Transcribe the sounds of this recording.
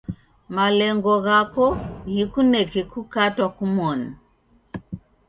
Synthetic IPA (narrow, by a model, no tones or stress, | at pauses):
malɛŋɡɔɣakɔɣikunɛkɛkukatwakumɔna